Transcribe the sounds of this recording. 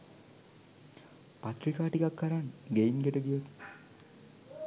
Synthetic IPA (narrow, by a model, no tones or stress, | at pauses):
pat̪ɾikaːʈikakːəɾaŋɡeinɡeʈəɡijot̪